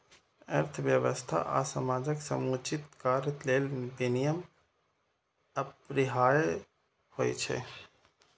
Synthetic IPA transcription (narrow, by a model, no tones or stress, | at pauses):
ə̰ɾt̪ʰʋjəʋəst̪ʰa̰ʔa̰ːsəmaːd͡ʒəksəmuːt͡ʃɪt̪̚kaːɾət̪leːlbinijəm | əpɾɪɦaːj | hoj̰t͡ʃʰɛ̰